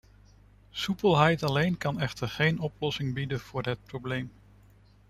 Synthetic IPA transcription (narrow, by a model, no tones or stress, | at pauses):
supəlˠɦɛjtɑlejnkɑnɛχtəɹχejnɔplɔsɪŋbidənv̥ʊːɹɦət̚prowblejm